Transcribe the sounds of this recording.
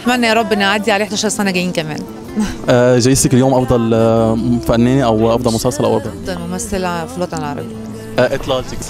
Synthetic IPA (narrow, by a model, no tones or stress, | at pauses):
mænːæjæɾˤɑbːʔenːaʕad̪ːiʕaleːħd̪æːʃɑɾˤsænæɡæjːiːnkæmæ̰ːn | ʔæʒæjesækeljoːmʔɑfd̪ˤɑl | fænːeːniʔæwʔɑfd̪ˤɑlmʊsælsˤɑlʔæwʔɑd̪ʕfd̪ˤɑlmomæsːælæfilwɑːt̪ˤɑnelʕɑɾˤɑ̰bejː | ʔʔæt̪ˤlɑlt̪ik